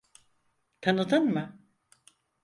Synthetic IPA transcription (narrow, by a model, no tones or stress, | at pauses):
t̪ʰanɯd̪ɯnmɯ